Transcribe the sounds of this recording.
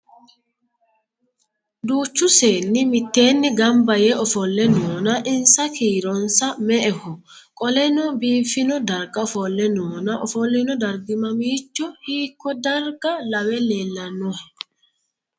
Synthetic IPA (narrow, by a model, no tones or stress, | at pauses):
d̪uːt͡ʃːʊse̞ːnːɪmɪt̪ːe̞ːnːɪɡɐmbɐjɛʔɔfɔlːɛnoːnɐʔɪnsɐkiːɾɔnsɐmɛʔɛhʊ | kʼɔlɛnɔbiːfɪnɔd̪ɐɾɡɐɔfɔlːɛnoːnɐʔɔfɔlːɪnɔd̪ɐɾɡɪmɐmiːt͡ʃːɔhiːkːɔd̪ɐɾɡɐlɐwɛleːlːɐnːuh